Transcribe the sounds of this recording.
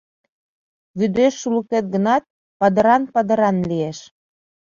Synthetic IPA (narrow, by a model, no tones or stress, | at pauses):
βyd̪eʃːuləket̪̚ɡə̆nɑt̪̚ | pɑd̪ə̆ɾɑnpɑd̪ə̆ɾɑnlieʃ